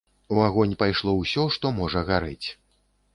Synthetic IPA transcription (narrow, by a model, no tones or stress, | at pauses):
uaɣɔnʲpajʂlˠɔwsʲɔʂt̪ɔmɔʐɐɣaɾɨ̰t͡sʲ